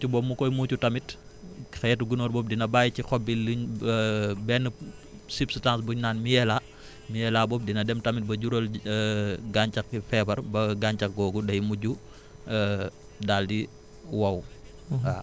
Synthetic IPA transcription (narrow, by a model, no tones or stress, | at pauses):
t͡ʃubɔmːukɔjmuːcutɐmit | xɐjɛtuɡunɔːɾbɔːp̚dinɐbaːjcixɔb̚iliɲ | bɛnə | sipstansbuɲnaːnmijɛla | mijɛlabɔːp̚dinɐdɛmtɐmit̚bɐɟuɾol | ɡaɲt͡ʃɐkfɛbɐɾbɐɡaɲt͡ʃɐk̚ɡɔːɡudɐjmuɟu | daːldi | wɐw | a